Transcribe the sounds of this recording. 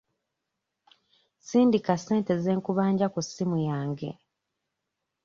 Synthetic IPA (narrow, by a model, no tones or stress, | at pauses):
siːndikase̞ːnte̞ze̞ːŋkuβaːɲɟakusimujaːŋɡe̞̰